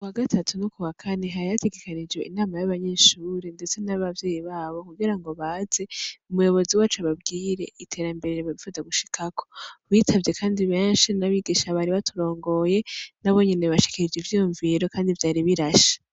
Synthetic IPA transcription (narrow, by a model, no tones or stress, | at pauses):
kuwaɡatʰatunukuwakʰaneɦajate̞ɡe̞kanid͡ʒwe̞ʔinaːmajaβaɲe̞ʃuːɾende̞t͡se̞naβavje̞ːjiβaːβo̞kuɡiɾaŋɡo̞βaːze̞umujo̞βo̞ziwaːt͡ʃuaβabɡiːɾe̞̰ʔitʰe̞ɾambe̞ɾeɾeβaβifuzaɡuʃi̥kʰakʰo̞̥βiːtʰavje̞kʰaːndiβeːnʃinaβiɡiʃaβaɾiβatʰuɾo̞ːŋɡo̞je̞naβo̞ɲine̞βaʃi̥kiɾid͡ʒivjijuɱviɾo̞kaːndivjaːɾiβiɾaʃḁ